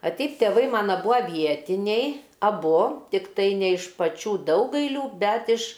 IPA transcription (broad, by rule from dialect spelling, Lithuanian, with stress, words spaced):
ɐ ˈtʲɛɪp tʲɛˈʋɐɪ ˈmɑːnɐ ˈbʊɐ ˈʋʲiɛtʲɪnʲɛɪ ɐˈbʊ tʲɪkˈtɐɪ nʲɛ ɪʃ pɐˈt͡ʃʲuː ˈdɐʊɡɐɪlʲuː ˈbʲɛt ɪʃ